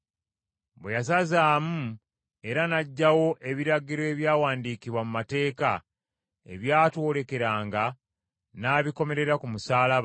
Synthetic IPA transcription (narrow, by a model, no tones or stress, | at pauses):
bwejasazaːmu | e̞ɾanaɟːawo̞ʔe̞βiɾaɡiɾoe̞βjaːwaːndiːkiβwamumate̞ːka | e̞̰βjaːto̞ːɾe̞ke̞ɾaːŋɡa | naːβiko̞me̞ɾe̞ɾakumusaːlaβ